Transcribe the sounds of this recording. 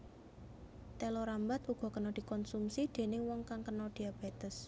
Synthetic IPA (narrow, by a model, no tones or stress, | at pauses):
t̪ɛlɔɾambat̪uɡ̥ɔ̤kənɔd̪̥i̤kɔnsumsid̪̥e̤nɪŋwɔŋkaŋkənɔd̪̥i̤ab̥et̪əs